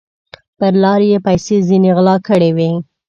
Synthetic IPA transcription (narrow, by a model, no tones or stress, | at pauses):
pəɾlɑɾjepajsezineɣlɑkəɽewi